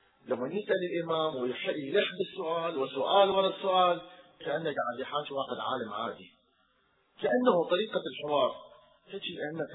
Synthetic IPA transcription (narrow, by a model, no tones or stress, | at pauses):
lamːanjɪsʔalɪlʔɪmaːmwɪjħɪʔːlaħbɪsːʊʔaːlwɪsʊʔaːlwanasːʊʔaːlkaʔanːaɡaʕɪd̪jɪħaːʃwaːħɪd̪ʕa̰ːlamʕa̰ːd̪i | kaʔanːahut̪ˤɑɾiːqalħɪwɑːɾˤ | kaʃikaʔanːak